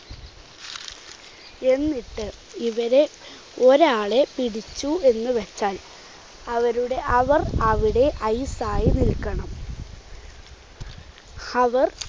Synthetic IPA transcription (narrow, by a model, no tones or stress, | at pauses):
e̞nːiʈːɨ | iʋɐɾe̞ | o̞ɾaːɭe̞piɽit͡ɕːue̞nːɨʋɐt͡ɕːaːl | ɐʋɐɾuɽe̞ʔɐʋɐrɐʋiɽe̞ʔɐjsaːjinilkːɐɳɐm | hɐʋɐr